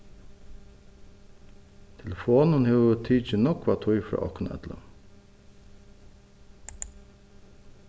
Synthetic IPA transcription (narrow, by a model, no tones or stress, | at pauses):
t̪ʰɛlɛfoːnənhɛːʋət̪ʰiːt͡ʃɪnɔkʋat̪ʰʊjfɾɑ̰ːʔɔhknɛ̰t̪la̰